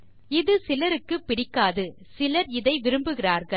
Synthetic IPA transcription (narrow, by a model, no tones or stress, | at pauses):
ɪðɯsɪlɐɾɯkːɯpːɪɽɪkːaːðɯ | sɪlɐɾɪðɐɪʋɪɾɯmbɯɣɪraːɾɣɐ